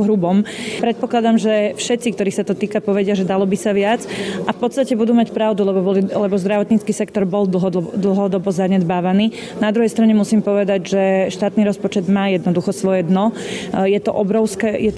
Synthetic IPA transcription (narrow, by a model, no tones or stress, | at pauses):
ɦɾubɔmpɾɛt̪̚pɔklad̪amʒɛfʃɛt̪t͡sikt̪ɔɾiːxsat̪ɔt̪iːkapɔʋɛɟɪaʒɛd̪alɔbisaʋɪat͡sʔafpɔt̪st̪acɛbud̪uːmacpɾaʊd̪ulɛbɔbɔlilɛbɔzd̪ɾaʋɔt̪ɲit͡skiːsɛkt̪ɔɾbɔld̪l̩ɦɔd̪l̩ɦɔd̪ɔbɔzaɲɛd̪baːʋaniː | nad̪ɾuɦɛjst̪ɾaɲɛmusiːmpɔʋɛd̪aɟʒɛʃt̪aːt̪niɾɔspɔt͡ʃɛd̪maːjɛd̪nɔd̪uxɔsʋɔjɛd̪nɔ | jɛt̪ɔʔɔbɾɔʊskɛːjɛt̪